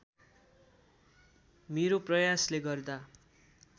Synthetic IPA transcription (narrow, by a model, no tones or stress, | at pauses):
meɾoprʌjasleɡʌrd̪a